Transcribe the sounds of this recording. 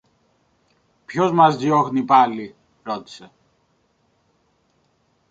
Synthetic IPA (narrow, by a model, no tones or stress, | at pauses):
pçozmɐzðjoxnipali | ɾot̪i̥se